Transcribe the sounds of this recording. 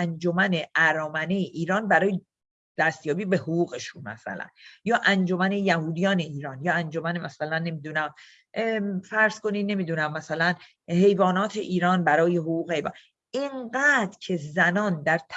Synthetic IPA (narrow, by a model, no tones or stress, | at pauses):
ænd͡ʒo̞mæneʔæɾɒːmæne̞jeʔiːɾɒːnbæɾɒːje | d̪̥æst̪jɒːbiːbe̞hoɣuːɣe̞ʃunmæ̰sæ̰læ̰njɒːʔænd͡ʒo̞mæne̞jæhuːd̪ijɒːne̞iːɾɒːnjɒːænd͡ʒo̞mænemæsælænːe̞mid̪unæm | fæɾz̥ko̞nine̞miːd̪unæmːæsælæn | he̞jvɒːnɒːt̪ʰe̞ʔiːɾɒːnbæɾɒːje̞ɦoɣuːɣehejvɒ̰ːn | iŋɡæːd̪ɾcʰe̞zænɒːnd̪æɾt̪ʰ